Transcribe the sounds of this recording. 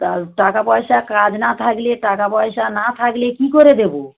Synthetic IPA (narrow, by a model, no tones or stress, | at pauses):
aɾʈakapɔjʃakad͡ʑnat̪ʰakleʈakapɔeʃanat̪ʰaklekikoɾed̪ebo